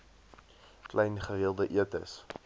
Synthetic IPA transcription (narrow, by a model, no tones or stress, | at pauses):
klɛjnχəɦiəlˠdəʔiətə̰s